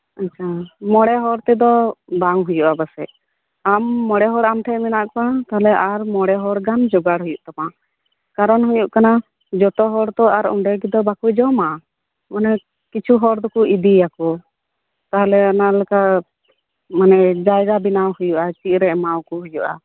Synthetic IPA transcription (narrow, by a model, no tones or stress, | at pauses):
atːt͡ʃʰamɔɽɛɦɔɽt̪ɛd̪ɔbaŋɦujuʔabasɛʔ | amːɔɽɛɦɔɽamʈʰɛʔminaʔkpat̪aɦɛlɛʔaɾmɔɽɛɦɔɽɡand͡ʒɔɡaɽɦujuʔt̪ama | kaɾɔnɦujuʔkana | d͡ʒɔt̪ɔɦɔɽt̪ɔaɾɔ̰ɳɖɛɡid̪ɔbakujd͡ʒɔma | manɛ | kit͡ʃʰuɦɔɽd̪ɔkuʔid̪ijakɔ | t̪aɦɛlɛanalɛka | manɛd͡ʒajɾabinawhujuʔat͡ʃiʔ̚ɾɛʔmawkuɦujṵʔa̰